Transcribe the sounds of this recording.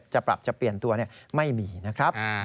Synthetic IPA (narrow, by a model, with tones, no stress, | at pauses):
t͡ɕa˨˩pɾa̰˨˩p̚t͡ɕa˨˩pli˨˩ənt̪u˧ɐni˥˩əma˥˩jmiː˧na˦˥kʰɾa˦˥p